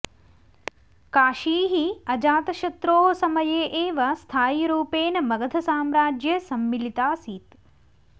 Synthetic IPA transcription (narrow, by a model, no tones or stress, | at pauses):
kaːʃiːɦiɐd͡ʒaːt̪ɐʃɐt̪ɾoːɦosɐmɐjeːʔeːʋɐst̪ʰaːjiɾuːpeːnɐmɐɡɐd̪ʰʱɐsaːmɾaːd͡ʒjɐsɐmːilit̪aːsiːt̪